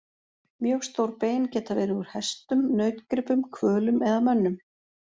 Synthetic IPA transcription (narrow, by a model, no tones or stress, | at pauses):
mjœːɣst̪owɾpeːjncɛːt̪avɛːɾɪʏɾ̥hɛst̪ʏmnœːɥt̪kɾɪpʏmkʰvœːlʏmɛðamœnːʏm